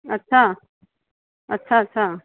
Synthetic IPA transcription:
ətːɕʰa | ətːɕʰaətːɕʰa

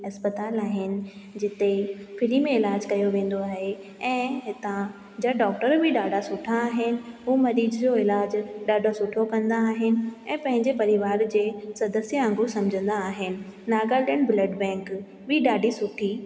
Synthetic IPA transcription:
ɐspət̪aːlaːɦɪnɪ̆d͡ʑɪt̪efʰɪɾimẽɪlaːd͡ʑkɐjoʋẽːn̆d̪oaːɦe | ɛ̃ːɦɪt̪ã | d͡ʑaɖɔːkʈəɾbʱɪɗaːɖʱasʊʈʰaːɦɪnɪ̆ɦuːmɐɾiːd̪d͡ʑoɪlaːd͡ʑɗaːɖʱosʊʈʰokɐ̃nd̪aːɦɪnɪ̆ɛ̃ːpɐ̃ɦɪ̃ɲd͡ʑepɐɾɪʋaːɾd͡ʑeːsɐd̪əsjəãːŋɡusɐmd͡ʑʱə̃nd̪aːɦɪnɪ̆naːɡaːɖənbləɖbɛ̃ːŋk | bɪɗaːɖisʊʈʰi

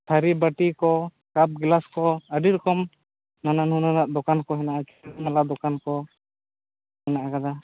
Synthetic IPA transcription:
t̪ʰaɾibaʈikɔ | kap̚ɡlaskɔəɖiɾɔkɔm | nananhununaʔd̪ɔkankɔɦɛnaʔat͡ʃɛnalad̪ɔkankɔ | hɛnaʔakad̪a

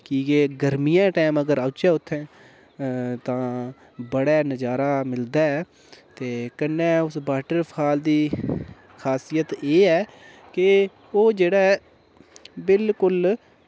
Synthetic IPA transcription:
kiːɡeːɡəɾmijãːʈɛːməɡəɾaːt͡ʃaːʊt̪ʰːɛ̃ː | t̪ãː | bəɽɛːnəd͡ʒaːɾaːmɪld̪aːɛː | t̪eːkənːɛ̃ːʊsbaːʈəɾpʰaːld̪iː | kʰaːsijət̪eːɛː | kɪ | oːd͡ʒeːɽɛː | bɪlkʊl

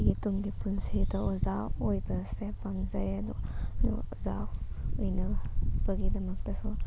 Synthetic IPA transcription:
ɡitumɡipunsidɐozaojbɐsepamzɐjɐdudṵɔzaw | ujnɐb̥ɐɡidɐmɐk̚tɐsu

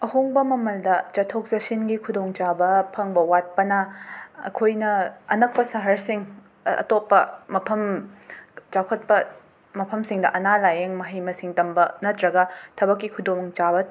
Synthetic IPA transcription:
ɐhoŋbɐmɐmɐldɐt͡ʃɐtʰok̚zɐsinɡikʰudoŋt͡ʃabɐpʰɐŋbɐwat̚pɐnɐɐ̰kʰojnɐɐnɐk̚pɐsɐɦɐɾsiŋ | ɐ̰topːɐmɐpʰɐm | t͡ʃakʰɐt̚pɐ | mɐpʰɐmsiŋdɐʔɐnalajeŋmɐɦijmɐsiŋtɐmbɐnɐtɾɐɡɐtʰɐbɐk̬ːikʰudoŋt͡ʃabɐ

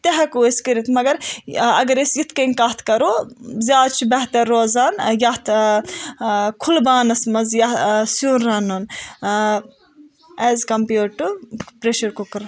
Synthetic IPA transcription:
t̪ɐɦɐkueskɐɾit̪ʰmɐɡɐɾɐ̰ɡɐɾisjit̪ʰkɐnkaːt̪ʰkɐɾoːzʲjaːd̪t͡ʃʰibɛɦt̪ɐɾːoːzaːnjaht̪ʰ | kʰulbaːnɐsmɐzjɐsjuːnɾɐnun | ɛːzkɐmpjuːʈːupɾeʃɐɾkukɐɾ

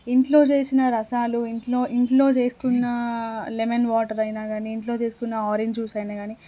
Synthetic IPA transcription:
iɳʈlo̞ːt͡ʃe̞ːsinɐɾɐsaːluiɳʈloːʔiɳʈlo̞ːt͡ʃeːsu̥kunːɐlemenʋaːʈɐɾɐjnaːɡaːniːɳʈlo̞ːt͡ʃe̞ːsu̥kunːɐɔːɾeɲd͡ʒuːsɐjnaːɡaːni

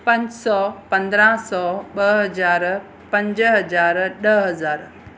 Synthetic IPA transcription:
pɐ̃ɲd͡ʑsɔːpɐ̃nd̪ɾãsɔːɓɐɦɐzaːɾ | pɐ̃ɲd͡ʑɦɐd͡ʑaːɾɗəɦɐzaːɾ

